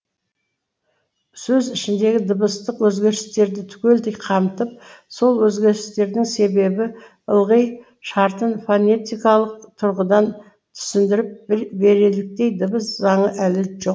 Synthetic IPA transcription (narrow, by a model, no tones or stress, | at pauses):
sɵzɪʃɪnd̪e̞ɡʲɪd̪əbəst̪əqwɵzɡʲe̞ɾɪst̪e̞ɾd̪ɪt̪ʰʏ̥kʲe̞ld̪ejqʰɑmt̪əp̚so̞lˠwɵzɡʲe̞ɾɪst̪e̞ɾd̪ɪŋse̞be̞bɪ | əlˠʁəj | ʃɑɾt̪ənfonʲe̞t̪ijkɑlˠəq̚t̪ʰʊɾʁəd̪ɑn | t̪ʰʏ̥sɪnd̪ɪɾɪp̚bɪɾbe̞ɾelɪk̚t̪e̞jd̪əbəszɑɴəʔælɪt̪ʒ̥o̞q